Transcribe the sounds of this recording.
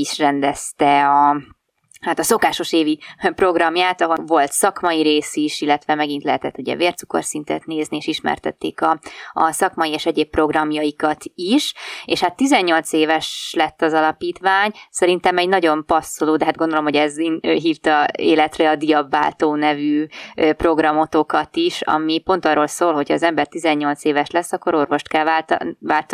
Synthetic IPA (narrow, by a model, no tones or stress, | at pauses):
iʃrɛnd̪ɛst̪ɛɒ | hat̪ɒso̞kaːʃo̞ʃeːvipro̞ɡrɒmjaːt̪ɒɦovo̞lt̪sɒkmɒjiɾeːsiʃilːɛt̪ʋɛmɛɡint̪lɛɦɛt̪ɛt̪ːuɟɛ̰veːrt̪suko̞̰rsint̪ɛ̰t̪neːznieːʃiʃmɛ̰rt̪ɛ̰t̪ːḛːkɒɒ̰sɒkmɒjieːʃɛɟeːppːro̞ɡrɒmjɒikɒt̪iʃeːʃhat̪ːizɛɲːo̞lt̪seːvɛʃlɛt̪ːɒzɒlɒpiːt̪ʋaːɲsɛɾint̪ɛmɛɟnɒɟo̞mpɒsːoloːd̪ɛɦad̪̚ɡo̞nd̪olo̞mɦoɛzøɦiːft̪ɒeːlɛt̪rɛɒd̪ijɒbvaːlt̪oːnɛvyøpro̞ɡrɒmo̞t̪o̞kɒt̪iʃɒ̰mipo̞nt̪ɒrːo̞lsoːlɦo̞cʰhɒːzɛmbɛrt̪izɛɲːo̞lt̪seːvɛʃlɛsːɒkːo̞ɾo̞rvo̞ʃt̪kɛlat̪vaːlt̪